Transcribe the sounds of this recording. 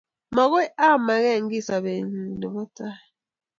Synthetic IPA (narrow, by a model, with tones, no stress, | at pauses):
mɔ˨ɣo˦a˦˨ma˨ɣɛ˦˨ŋ̩˦ɡi˦˨sa˨be˨ɲi˨ni˨bɔ˦ta˦˨